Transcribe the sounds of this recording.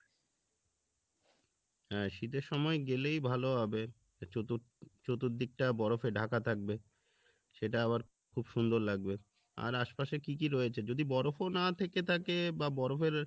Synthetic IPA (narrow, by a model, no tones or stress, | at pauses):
ɦɛʃit̪eɾʃɔmɔeɡelejbʱaloɦɔbe | ot̪u | t͡ɕot̪uɾd̪ik̚ʈabɔɾofeɖʱakat̪ʰak̚be | ʃeʈaaβaɾ | kʰubʃund̪oɾlaɡ̚be | a̰ɾaʃpaʃekik̬iɾɔet͡ɕʰed͡ʑod̪ibɔɾofonat̪ʰeket̪ʰakebabɔɾofeɾ